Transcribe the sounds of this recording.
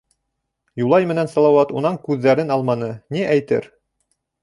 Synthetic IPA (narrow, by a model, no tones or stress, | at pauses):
julˠɑjmɘ̆nænsɑlˠɑwɑt̪unɑɴkʉðːæɾɘnɑlˠmɑnɤniʔæjt̪ɘ̰ɾ